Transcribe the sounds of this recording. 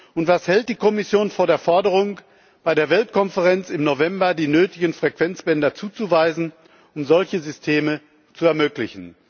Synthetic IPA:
ʔʊntv̥ashɛlt̚d̥iːkʰɔmɪsjoːnfoːɐdeːɐfɔɐdəʁʊŋ | b̥aɪdeːɐvɛltkʰɔnfəʁɛnt͡sɪmnovɛmbɐdiːnøːtɪɡən̩fʁ̥ɛkv̥ɛnt͡sb̥ɛndɐt͡suːt͡suvaɪzn̩ | ʔʊmzɔlçəzʏstʰeːmə | t͡suɛɐmøːklɪçn̩

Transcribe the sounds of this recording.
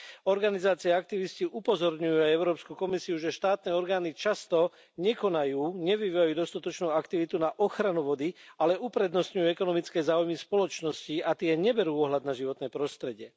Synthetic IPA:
ɔɾɡanizaːt͡siɛak̚t̪iʋisciʔupɔzɔɾɲujuajɛʊɾɔːpskukɔmisiuʒɛʃt̪aːt̪nɛːɔɾɡaːnit͡ʃast̪ɔ | ɲɛkɔnajuːɲɛʋiʋiajuːd̪ɔst̪at̪ɔt͡ʃnuːakt̪iʋit̪unaʔɔxɾanuʋɔd̪ialɛʔupɾɛd̪nɔsɲujuɛkɔnɔmit͡skɛːzaːujmispɔlɔt͡ʃnɔsciat̪ɪɛɲɛbɛɾuːɔɦlad̪̚naʒiʋɔt̪nɛːpɾɔst̪ɾɛɟɪɛ

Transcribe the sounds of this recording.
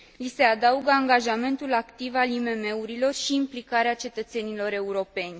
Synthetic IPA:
lise̞ad̪auɡəaŋɡaʒame̞nt̪ulakt̪ivalime̞me̞uɾilo̞rʃiːmplikaɾeat͡ʃe̞t̪ət̪se̞nilo̞ɾe̞uɾo̞pe̞nʲ

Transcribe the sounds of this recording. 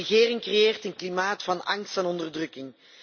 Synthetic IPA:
əɣeːrɪŋkrejeːrtənklimaːtfɑnɑŋstanɔndərdrɵkɪŋ

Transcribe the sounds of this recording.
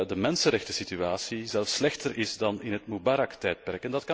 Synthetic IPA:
dəmɛnsənɾɛxtəsityaːsizɛlˠfslɛxtərʔɪzdɑnɪnɦətmubaɾɑktɛːjt̚pɛrkɛndɑtkɑ

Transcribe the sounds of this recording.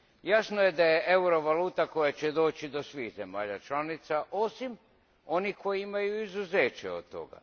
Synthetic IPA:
jasnoje̞d̪ajeʔeuɾo̞ʋaluːt̪ako̞jat͡ɕe̞d̪o̞ːt͡ɕid̪o̞sʋiːxze̞ma̰ːʎat͡ʃlanit̪saʔo̞sim | o̞niko̞jiimajuizuzeːt͡ɕḛod̪t̪o̞̰ɡa̰

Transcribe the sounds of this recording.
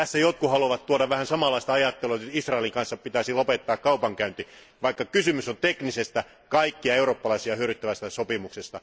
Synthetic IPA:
æsːæjot̪̚kuhɑluɑʋɑt̪t̪uodɑʋʋæhænsɑmɑlːˑɑist̪ɑɑjɑt̪ːeluɑnyisrɑeliŋkɑnsːɑppit̪æsilopet̪ːɑːkkɑupɑŋkæynt̪i | ʋɑikːɑkysymysont̪eknisest̪æ | kɑikːiɑeuroːpːɑlɑisiɑhyøɾyt̪ːæʋæst̪æsopimuksest̪ɑ

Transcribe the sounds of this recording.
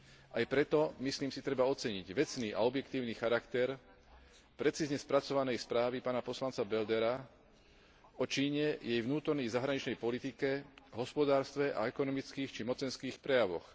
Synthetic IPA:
ajpɾɛt̪ɔmisliːmsit̪ɾɛbaɔt͡sɛɲiɟʋɛt͡sniːʔa̰ɔbjɛkt̪iːʊnixaɾakt̪ɛɾ | pɾɛt͡siːzɲɛspɾat͡sɔʋanɛjspɾaːʋipaːnapɔslant͡sabɛld̪ɛɾa | ɔt͡ʃiːɲɛjɛjʋnuːt̪ɔɾnɛjzaɦɾaɲit͡ʃnɛjpɔlit̪ikɛɦɔspɔd̪aːɾst̪ʋɛʔa̰ɛkɔnɔmit͡skiːxt͡ʃimɔt͡sɛnskiːxpɾɛjaʋɔ̰x

